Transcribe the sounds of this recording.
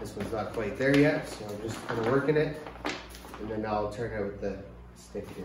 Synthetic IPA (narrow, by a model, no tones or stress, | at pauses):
ðɪswʌ̃nznət̚pʰl̥eɪt̪̚ðə˞jɛt̚soʊãɪ̃md͡ʒʌstʰãɪnəwɜ˞kɨ̃nɪt̚ | ɨ̃nðɨ̃naɪlˠtʰɜ̃˞nɨt̚wɨðɨ | stɪkɪ